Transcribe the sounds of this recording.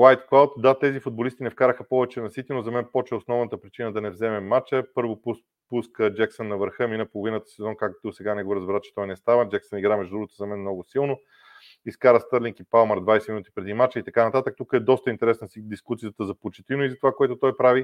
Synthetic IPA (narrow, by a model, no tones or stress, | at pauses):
wajt̪klˠawt̪d̪at̪ɛzifʊd̪̚bolist̪inɛfkaɾəxəpɔvɛt͡ʃɛnɐsit̪inozɐmɛnpɔt͡ʃɛosnɔvnət̪əpɾit͡ʃinəd̪ɐnɛvzɛmɛmat͡ʃəpɤɾvo | puskəd͡ʒɛksənːɐvəɾxɤminəpolˠovinət̪ə̥sɛzɔnkakt̪osɛɡanɛɡoɾəzbɛɾat͡ʃɛ̥t̪ɔjnɛst̪avəd͡ʒɛksəniɡɾamɛʒd̪ud̪ɾuɡot̪ozɐmɛnmnɔɡʊsilˠno | iskaɾəst̪əɾlʲiŋkipalˠməɾd̪vajsɛminut̪i̥pɾɛd̪imat͡ʃəit̪ɐkanɐt̪at̪ək̚t̪ukəɛd̪ɔst̪əint̪ɛɾɛsnəsid̪iskusijət̪əzɐpot͡ʃɛ̥t̪inoizɐt̪ovakoɛt̪ot̪ɔjpɾavi